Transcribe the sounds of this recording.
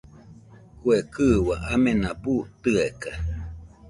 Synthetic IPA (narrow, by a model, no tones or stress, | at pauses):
kuekɨwaʔamẽnaput̪ɨeka